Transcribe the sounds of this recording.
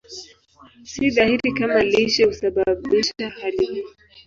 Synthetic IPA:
siðahiɾikamaliʃɛhusaɓaɓiʃahalih

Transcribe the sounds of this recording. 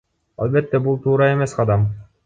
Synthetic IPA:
ɑ̰lˠbe̞t̪ːebulˠt̪ʰuːɾɑe̞me̞sqʰɑd̪ɑm

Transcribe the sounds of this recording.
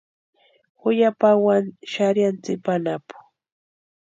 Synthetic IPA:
hʊjapawanʃaɾjant͡sɪpanapʊ̥

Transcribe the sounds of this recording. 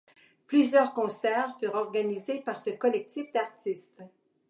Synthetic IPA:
plyzjœːʁkɔ̃sɛːʁfyːʁɔʁɡanizepaʁsəkɔlɛk̚t̪ifd̪aʁt̪ist̪

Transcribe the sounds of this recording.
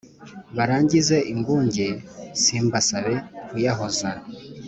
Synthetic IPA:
βaɾaːɲɟize̞ʔimɡuːɲɟesimbasaβekujaɦoza

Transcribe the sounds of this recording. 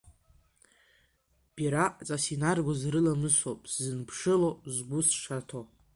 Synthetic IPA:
b̥iɾat͡sʼasinarɡʷozrɨlamɨsopʼszɨnpʰʂɨlozɡʷʊsʂatʰo

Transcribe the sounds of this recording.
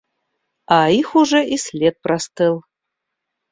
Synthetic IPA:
aixuʐɛʔislʲet̪̚prast̪ʰɨlˠ

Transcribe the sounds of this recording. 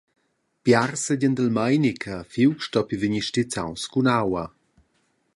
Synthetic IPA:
pjarsəɟənd̪əlmajnikʰafiwkʃtɔpiviɲiʃtit͡sa̰wskunawa

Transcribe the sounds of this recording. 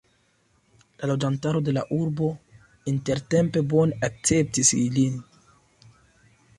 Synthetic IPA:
lalod͡ʒantaɾo̞de̞laʔuɾbo̞ | inte̞ɾte̞mpe̞bo̞nak̚t͡se̞p̚tisilin

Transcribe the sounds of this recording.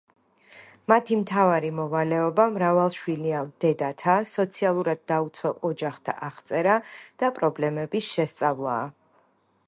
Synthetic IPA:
mat̪ʰimt̪ʰavaɾimɔvalɛɔbamɾavalˠʃwiliand̪̥ɛd̪at̪ʰasɔt̪sʰialˠuɾad̪̚ːaut̪sʰwɛlˠɔd͡ʒaχt̪ʰa̰ʔaχt̪sʼɛɾad̪̥apʼɾɔblɛmɛbisʃɛst̪sʼavlˠa̰ː

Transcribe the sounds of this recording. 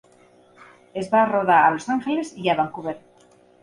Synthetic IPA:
e̞zβaroðaalo̞saŋxelesiʝaβaŋkuβeɾ

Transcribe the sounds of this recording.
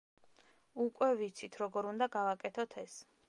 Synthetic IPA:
ukʼwɛvit̪sʰit̪ʰɾɔɡɔɾund̪aɡavakʼɛt̪ʰɔt̪ʰɛs

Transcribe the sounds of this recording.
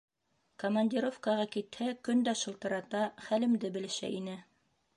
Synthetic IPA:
komɐnʲdʲiɾofkɑʁɑkit̪hækɵnd̪æʃɤ̆lˠt̪ɤ̆ɾɑt̪ɑχælɘ̆md̪ɘbɘ̆lɘ̆ʃæ̰ʔinɘ

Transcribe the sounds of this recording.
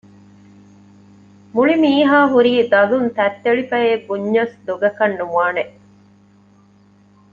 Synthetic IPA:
muɭimiːɦaːɦuɾiːd̪ɐlunt̪æt̪ːeɭifɐeːɡuɲːɐsd̪oɡɐkɐnːuʋaːneʔ

